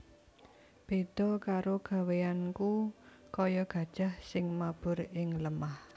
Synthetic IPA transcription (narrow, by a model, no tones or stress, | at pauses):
b̥e̤d̪̥ɔ̤kaɾoɡ̥a̤weanku | kɔjɔɡ̥ä̤d̥ʒ̥a̤hsɪŋmab̥ʊ̤ɾɪŋləmah